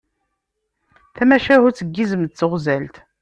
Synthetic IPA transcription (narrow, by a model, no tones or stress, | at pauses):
θæmæʃæhʊɾt͡sːəɡːizəmd̪̚t͡sːəʁzælt̪